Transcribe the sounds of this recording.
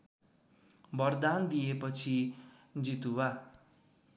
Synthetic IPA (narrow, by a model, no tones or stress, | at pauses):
bʌrd̪and̪ijepʌt͡sʰid͡zit̪uwa